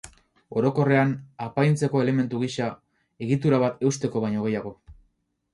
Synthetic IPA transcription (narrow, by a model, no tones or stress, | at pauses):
o̞ɾo̞ko̞re̞anapajnt͡se̞ko̞e̞le̞me̞nt̪uɣiʃa | e̞ɣit̪uɾaβat̪e̞ust̪e̞ko̞βajɲo̞ɣ̞e̞jaɣ̞o̞